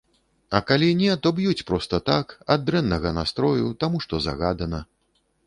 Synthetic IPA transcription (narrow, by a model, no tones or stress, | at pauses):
ɐkalʲinʲɛt̪ɔbjut͡sʲpɾɔst̪ɐt̪akad̪ːɾɛnːɐɣɐnast̪ɾɔjut̪amuʂt̪ɔza̰ɣad̪ɐnɐ